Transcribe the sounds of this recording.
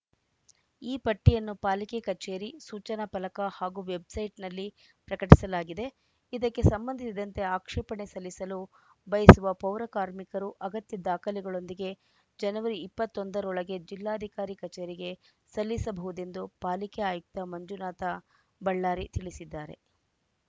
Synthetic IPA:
iːpɐʈːijɐnːupaːlikekɐt͡ʃeːɾisuːt͡ʃɐnɐpɐlɐkɐhaːɡuʋe̞bsɐjʈnɐlːi | pɾɐkɐʈisɐlaːɡid̪e̞ | id̪ɐkːe̞sɐmbɐnd̪ʱisid̪ɐnt̪e̞aːkʂɛːpɐɳe̞sɐlːisɐlu | bɐjɐsuʋɐpɐwɾɐkaːɾmikɐɾuʔɐɡɐt̪jɐd̪aːkɐliɡɐɭo̞nd̪iɡe̞ | d͡ʒɐnɐʋɐɾiːpːɐt̪ːo̞nd̪ɐɾɔɭɐɡe̞d͡ʒilːaːɐd̪ʱikaːɾikɐt͡ʃeːɾiɡe̞ | sɐlːisɐbɐɦud̪e̞nd̪upaːlikɛaːjuk̚t̪ɐmɐɲd͡ʒunaːt̪ɐ | bɐɭːaːɾit̪iɭisid̪ːaːɾe̞̰

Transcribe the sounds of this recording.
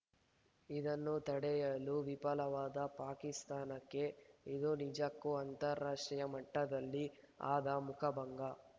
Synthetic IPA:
id̪ɐnːut̪ɐɽɛjɐluʋipɐlɐʋaːd̪ɐpaːkist̪aːnɐkːe̞id̪unid͡ʒakːuɐnt̪ɐɾːaːʂʈɾijɐmɐʈːɐd̪ɐlːi | a̰ːd̪ɐmukʰɐbɐŋɡɐ

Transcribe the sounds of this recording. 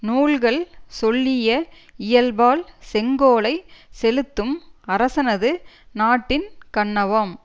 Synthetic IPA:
nuːɭɣɐɭsɔɭːɪjɐ | ɪjɐlbaːlsɛŋɡoːlɐɪsɛlɯt̪ːɯmɐɾɐsɐnɐðɯnaːʈːɪnkɐɳːɐʋɐm

